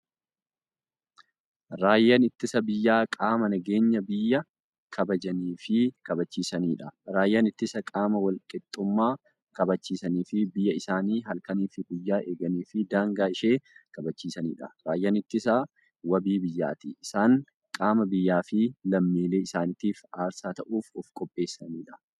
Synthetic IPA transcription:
ɾaːjːɐnɪt̪ːɪsɐbɪjːaːkʼaːmɐnɐɡe̞ːɲːɐbɪjːɐ | kʰɐbɐd͡ʒɐniːfɪkɐbɐt͡ʃːiːsɐniːᶑɐɾaːjːɐnɪt̪ːɪsɐkʼaːmɐwɐlkʼɪt̪ʼːʊmːaː | kɐbɐt͡ʃːiːsɐniːfɪbɪjːɐɪsaːniːɦɐlkɐniːfɪɡʊjːaːʔe̞ːɡɐniːfɪd̪aːŋɡaːɪʃeːkɐbɐt͡ʃːiːsɐnḭːᶑɐ̥ɾaːjːɐnɪt̪ːɪsɐ | wɐbiːbɪjːa̰ːt̪ɪɪsaːŋ | kʼaːmɐbɪjːaːfɪlɐmːiːleːɪsaːnɪt̪iːfaːɾsaːt̪ɐʔuːfɔfkʼɔpʼːe̞ːsːɐniːᶑɐ̥

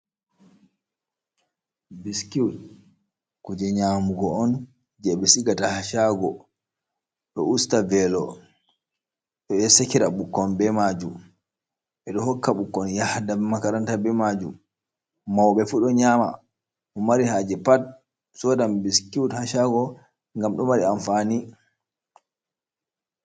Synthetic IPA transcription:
biskiud | kud͡ʒɛɲamuɡɔɔn | d͡ʒɛɓɛsiɡatahaʃaɡɔ | ɗɔ̰ustavɛlɔ | ɗɔɛsekiɾaɓukːɔnbɛmad͡ʒum | ɛɗɔɦɔkːaɓukːɔnjahdaɛmakaɾantabɛmad͡ʒum | mawɓɛfuɗɔɲama̰ | umaɾiɦad͡ʒɛpat̚ | sɔdambiskiuthaʃaɡɔ | ŋɡamɗɔmaɾianfani

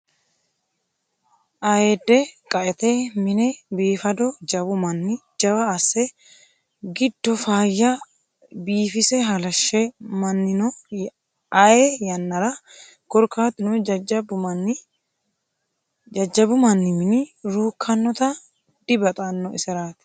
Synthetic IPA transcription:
ʔɐjed̪ːɛkʼɐʔɛt̪ɛmɪnɛbiːfɐd̪ɔd͡ʒɐbʊmɐnːɪd͡ʒɐwɐːsːɛ | ɡɪd̪̥ːɔfaːjːɐ | biːfɪsɛɦɐlɐʃːɛmɐnːɪnɔ | ɐjɛjɐnːɐɾɐ | ɡ̥ɔɾkːaːt̪ːɪnʊbn | ɐd͡ʒːɐbʊmɐnːɪmɪnɪɾuːkʰːɐnːɔt̪ɐ | d̪̥ɪbɐt̪ʼanːɔʔɪ̰sɛɾaːt̪ɪ̥

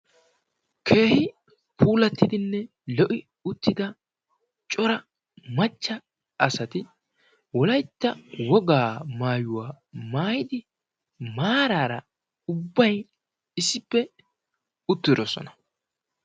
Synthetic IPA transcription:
kʰe̞ːhɪ | pʰuːlɐt̪ːɪd̪ɪnːɛ | lɔʔɪ | ʊt̪ːɪd̪ɐ | t͡ʃʼɔɾɐ | mɐt͡ʃːɐ | ʔɐsɐt̪ɪ | wɔlɐjt̪ːɐwɔɡaːmaːjʊwaː | maːjɪd̪ɪ | maːɾaːɾɐ | ʊbːɐj | ɪsːɪpːɛ | ʊt̪ːɪd̪ɔsɔ̰nɐ

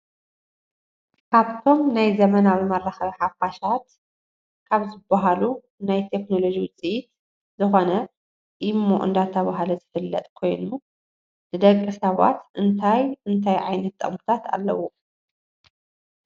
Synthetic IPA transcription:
kʰaβt̪ʰo̞mnajzɐmɐnawimɐrːaxɐβħafaʃat̪ | kʰaβzɨbːaɦalu | najt̪ʰe̞kno̞lo̞d͡ʒiwʊt͡sʼiʔit̪ | zɨxonɐ | jɪmːo̰ʔɨ̰nd̪at̪ʰːɐβaɦalɐzɨfɨlːɐ̰t̪ʼkʰo̞jnu | nɨd̪ɐkʼːɨsɐβa̰t̪ʔɨnt̪ʰajʔɨnt̪ʰajʕajnɐt̪ːʰʼɐ̰χmɨt̪ʰat̪ʰa̰lːɐwu

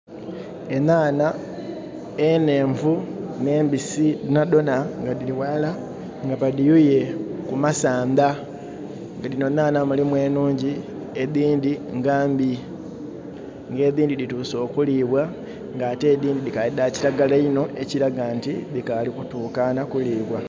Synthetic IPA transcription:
enaːna | ene̞ːɱvune̞ːmbisiinado̞naŋɡadiliwala | ŋɡapadijuje̞kumasaːnda | ŋɡalino̞naːnamulimwe̞ːnuːɲɟi | eðiːndiŋɡaːmbi | ŋɡe̞ːðiːndidituːso̞ːkuliβwa | ŋɡaːte̞ːðiːndidikaiðaciɾaɡalaino̞ʔe̞ciɾaɡantiðikalikutuːkanakuliːβwa

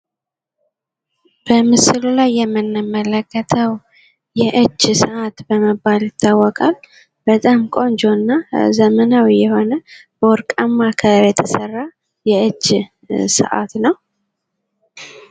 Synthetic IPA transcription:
b̥əmɨsɨlulajːɛmːɨnːɨmːələkːət̪ʰəw | jɛʔɨd͡ʒːsɨʔat̪bəməbːaljɪt̪ʰːawːɔkʼal | b̥ət̪ʼamkʼo̞nd͡ʒo̞nːazəmənawjɛho̞nəb̥əɔɾkʼamːakʰəjɛt̪ʰəsərːa | jɛɨd͡ʒ | sə̰ʔa̰t̪nəw

